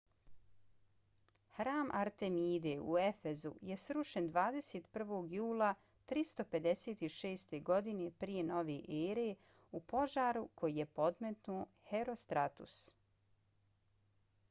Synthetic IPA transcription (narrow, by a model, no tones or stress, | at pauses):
hɾaːmʔa̰ɾt̪e̞miːd̪euefe̞zṵje̞sɾuʃend̪ʋaːd̪eseːt̪pr̩ʋoːɡjuːlˠa | t̪ɾist̪o̞pe̞d̪e̞se̞ːt̪iʃeːst̪e̞ɡo̞d̪ine̞pɾije̞no̞ʋeʔeːɾe | upo̞ʒaːɾukʰo̞jije̞po̞d̪met̪nuː | heɾo̞st̪ɾat̪ṵs